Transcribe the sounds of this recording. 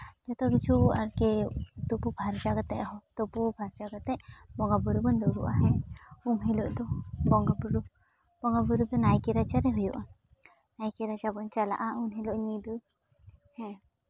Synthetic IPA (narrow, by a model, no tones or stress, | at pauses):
d͡ʒɔt̪ɔkit͡ʃʰuaɾket̪upubʱaɾd͡ʒaɡat̪ɛʔɦɔt̪ɔpubʱaɾt͡ʃaɡat̪ɛʔbɔŋɡabuɾubɔnd̪ɔɡṵʔa̰ɦɛumɦilɔʔd̪ɔbɔŋɡabuɾu | bɔŋɡabuɾud̪ɔnajkiɾat͡ʃaɾɛɦɔjuʔa | najkiɾat͡ʃabɔnt͡ʃala̰ʔaunɦilɔʔɲid̪ɯ | hɛ̃